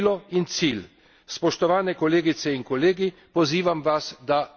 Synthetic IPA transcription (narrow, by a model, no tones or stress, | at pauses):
lɔint̪sil | spɔʃt̪ɔʋaːnɛkɔleːɡit̪sɛinkɔleːɡipɔziːʋamʋasd̪a